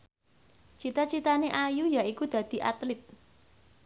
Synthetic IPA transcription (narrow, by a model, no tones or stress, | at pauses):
t͡ʃit̪at͡ʃit̪aneʔajujaikud̪̥ä̤d̪̥i̤ʔa̰t̪lɪt̪̚